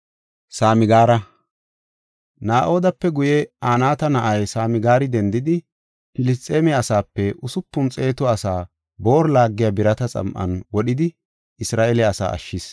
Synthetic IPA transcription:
saːmɪɡaːɾɐ | naːʔo̞ːd̪ɐpːɛɡʊjɛaːnaːt̪ɐnɐʔɐjsaːmɪɡaːɾɪd̪ɛnd̪ɪd̪ɪ | pɪlɪs̬t̪ʼːe̞ːmɛɐsaːpːɛʔʊsʊpːʊnt͡sʼe̞ːt̪ɔɐsaː | bo̞ːɾlaːɡːɪjabɪɾɐt̪ɐt͡sʼɐ̰mʔɐ̰nwɔɗɪd̪ɪ | ɪsɾaːʔɛlɛɐsa̰ːʔɐ̰ʃːɪs

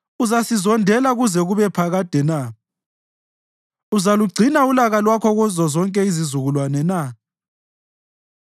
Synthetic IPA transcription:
uzasizɔndʱɛlaɣuzɛɣuβɛpʰaɣad̥ʱɛna | uzaluɡ͡ǀʱinaulaɣalwakʰɔɣuzɔzɔŋkʼɛizizuɣulwanɛna

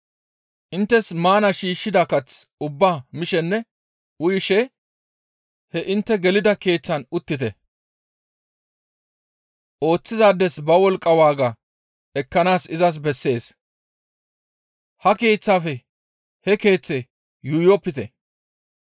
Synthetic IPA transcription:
ʔɪnt̪ːɛsmaːnɐʃiːʃːɪd̪aːkɐt͡sʊbːaːmɪʃɛnːɛ | ʊjɪʃɛ | hɛʔɪnt̪ːɛɡɛlɪd̪ɐke̞ːt͡sːɐnʊt̪ːɪt̪ɛ | ʔo̞ːt͡sːɪzaːd̪ːɛsbɐwɔlkʼːɐwaːɡaː | ɛkːɐnaːsɪzɐs̬bɛsːe̞ːs | hɐke̞ːt͡sːaːfɛ | hɛke̞ːt͡sːe | jʊjɔpːɪt̪ɛ

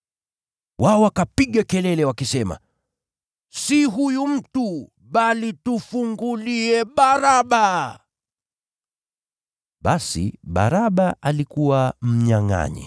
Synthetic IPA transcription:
wʔaɔwakapiɠakɛlɛlɛwakisɛma̰ | siɦujum̩tu | ɓalitufuŋɡuliɛɓaɾaɓa | ɓasḭɓa̰ɾaɓaʔalikuwam̩ɲaŋa̰ɲḭ

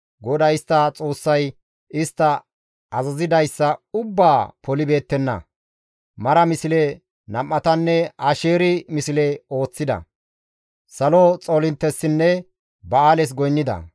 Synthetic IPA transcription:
ɡɔd̪ɐjɪst̪ːɐt͡sʼo̞ːsːɐj | ɪst̪ːɐ | ɐzɐzɪd̪ɐjsːɐʊbːaːpɔlɪbe̞ːt̪ːɛnːɐ̰ | mɐɾɐmɪsɪlɛ | nɐmːɐt̪ɐnːɛaʃeːɾɪmɪsɪlɛo̞ːt͡sːɪd̪ɐ̰ | sɐlot͡sʼolɪnt̪ːɛsːɪnːɛ | bɐaːlɛs̬ɡɔjnːɪd̪ɐ̰

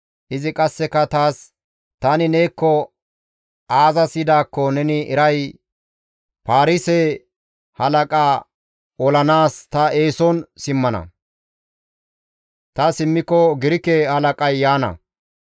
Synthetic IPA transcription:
ʔɪzɪkʼɐsːɛkɐt̪aːs | t̪ɐnɪneːkːɔ | aːzɐsɪd̪aːkːɔnɛnɪʔɛɾɐj | paːɾɪse | hɐlɐkʼaː | ɔlɐnaːst̪ɐeːsɔnsɪmːɐnɐ̰ | t̪ɐsɪmːɪkːɔɡɪɾɪkɛhɐlɐkʼɐjːaːnɐ̰

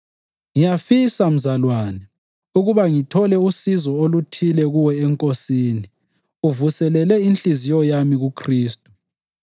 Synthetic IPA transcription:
ŋijafisam̩zalwaːnɛ | uɣuβaŋitʰɔlɛusizɔolutʰilɛɣuwɛɛŋkʼosiːni | uvusɛlɛlɛint͡ɬʼizijɔjamiɣukʰriːstʼu̥

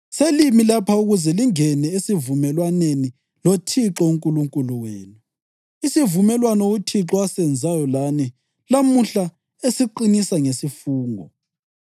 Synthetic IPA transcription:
selimilapʰauɣuzɛliŋɛnɛesivumɛlwaneni | lotʰiǁɔuŋkʼuluŋkʼuluweːnu | isivumɛlwanoutʰiǁɔasɛnd͡zʱajɔlani | lamuɬa | esiǃinisaŋesifuːŋɔ̰

